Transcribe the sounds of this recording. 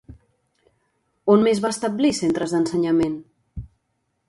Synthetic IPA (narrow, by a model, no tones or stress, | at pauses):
onmezβaəst̪əblisent̪ɾəzðənsəɲəmen